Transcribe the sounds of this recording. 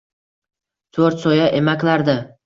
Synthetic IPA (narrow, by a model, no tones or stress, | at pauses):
t̪ʰɵɾt̪sɒjaʔe̞makʲlaɾd̪ɪ